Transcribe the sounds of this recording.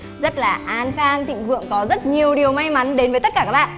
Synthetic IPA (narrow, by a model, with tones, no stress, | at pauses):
zə˦˥t̚laː˨˩ʔaː˨˧nxaː˧ŋt̪ḭ˧˨ŋ̟vɨ̰˧˨əŋkɔ˨˦zə˦˥t̚ɲi˨˩əwɗi˨˩əwma˧jma˨˦nɗe˨˦nvə˨˦t̪ə˦˥t̚kaː˧˩kaː˦˥k̚ɓa̰ː˧˨